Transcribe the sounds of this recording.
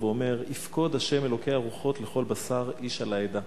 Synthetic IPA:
veome̞ʁifko̞d̪haʃe̞me̞lo̞kejaːʁuχo̞tleχo̞lbasaʁiʃalaed̪a

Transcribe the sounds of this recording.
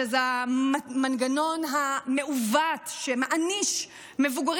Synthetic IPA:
za | manɡano̞nɦameuvatʃemaʔaniʃ | mevuɡaʁ

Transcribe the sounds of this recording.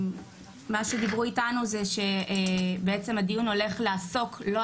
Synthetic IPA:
maʃe̞d̪ibʁuitanuzeʃe̞beet͡se̞mad̪ijuno̞le̞χlaːso̞kʰlo

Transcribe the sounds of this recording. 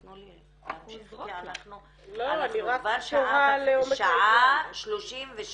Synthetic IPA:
noli | aanaχnu | loaniʁakvaʃoʁaleomeʃaaʃloʃimveʃ

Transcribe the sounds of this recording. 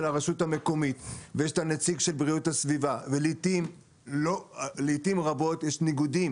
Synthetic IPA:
laʁaʃutame̞ko̞mitvejeʃtanet͡siɡʃe̞lbʁiuthasvivavelitim | loleitimʁabo̞tjeʃniɡudim

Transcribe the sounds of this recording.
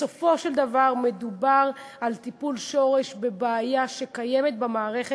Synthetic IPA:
sofo̞ʃeld̪avaʁme̞d̪ubaʁalt̪ipulʃo̞ʁe̞ʃbe̞beːjaʃe̞kajemet̪̚bamaːʁe̞χe

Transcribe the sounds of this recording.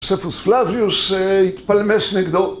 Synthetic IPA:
ʂɛfusflavjusit̪palmɛʂnɪɡd̪ɔ

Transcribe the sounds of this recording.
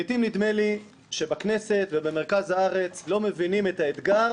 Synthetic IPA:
it̪imnid̪me̞li | ʃe̞bakne̞se̞t̪vebemeʁkazhaaʁe̞t͡slo̞me̞vinimet̪aet̪ɡa

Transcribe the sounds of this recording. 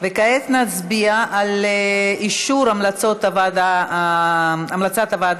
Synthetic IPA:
vekaet͡snat͡sbiaʔal | iʃuɾamlat͡so̞t̪avad̪a | amlat͡sat̪avad̪

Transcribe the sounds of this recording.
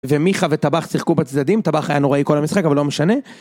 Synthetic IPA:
vemiχavet̪abaχsiχkubat͡sd̪ad̪imt̪abaχajanoʁaiko̞lhamisχakavalo̞meʃane̞

